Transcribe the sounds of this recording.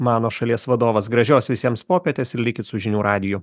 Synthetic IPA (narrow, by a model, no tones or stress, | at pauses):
mɑːnoːʃɐlʲiɛsʋɐd̪oːʋɐsɡɾɐʒʲoːsʋʲɪsʲiɛmspoːpʲɛt̪ʲeːsɪɾlʲɪkʲɪt̪sʊʒʲɪnʲuːɾʔɑːd̪ʲɪjʊ